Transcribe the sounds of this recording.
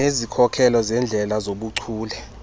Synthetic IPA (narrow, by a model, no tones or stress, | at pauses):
ezikʰɔkʰɛlɔzɛnd͡ɮʱɛlazoɓuǀʰuːlɛ